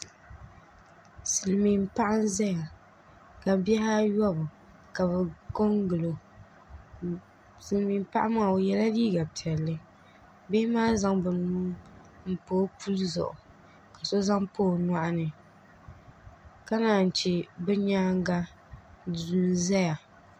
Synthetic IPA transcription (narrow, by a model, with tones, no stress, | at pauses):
sɨ˨lmi˨m˦pa˦ʔa˦n˦zɛ˦ja˨ | ka˨bi˦ɛ˦ha˦jɔ˦bɨ˨ | ka˨bɛ˨ko˦ŋɡɨ˨lo˨ | sɨ˨lmi˨m˦pa˦ʔa˦ma˦˨o˨jɛ˦la˦liː˦ɡa˨pi˨ɛ˨lːɨ˦ | bɪ˦ɪ˦maː˦za˨ŋbɨ˨nuː˦ | m̩˦poː˦pu˦lzɔ̰˨ʔʊ˨ | ka˨so˦za˦ŋpoː˦˨na˦ʔa˦nɨ˨ | ka˦naː˨n̩˨t͡ʃi˨bɛ˦ɲaː˦ŋ˦ɡa˦ | du˨zɛ˦ja˨